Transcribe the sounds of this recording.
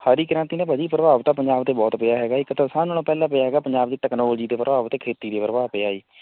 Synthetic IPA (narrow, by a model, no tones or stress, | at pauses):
haːɾiːkəɾãnt̪iːnẽːbəd͡ʒiːpɾəbaːʋt̪aːpəɲd͡ʒaːbt̪eːbɔːt̪pɪjaːɦɛːɡaːɪkːt̪əsaːnoːãːpɛːlãːpəjaːɦɛːɡaːpəɲd͡ʒaːbd̪iːʈɛknoːld͡ʒiːd̪eːpɾəbaːʋt̪eːkʰeːt̪iːd̪eːpəɾəbaːpɪaːiː